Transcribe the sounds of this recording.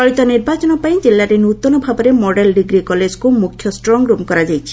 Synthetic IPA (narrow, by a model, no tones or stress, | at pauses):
ɔɭit̪ɔniɾbat͡ʃɔnɔpaĩd͡ʒelːaɾenut̪ɔnɔbʱabɔɾemɔɖelɖiɡɾikɔled͡ʒkumukʰːjɔsʈɾɔŋɡɾupkɔɾad͡ʒajt͡ʃʰi̥